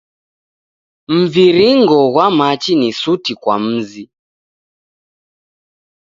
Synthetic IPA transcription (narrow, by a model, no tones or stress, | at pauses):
m̩viɾiŋɡɔɣwamat͡ʃinisutikwam̩zi